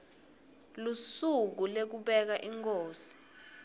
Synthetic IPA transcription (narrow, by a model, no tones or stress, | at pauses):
lusuk̬ulek̬uɓɛk̬aʔiŋkoːsi̥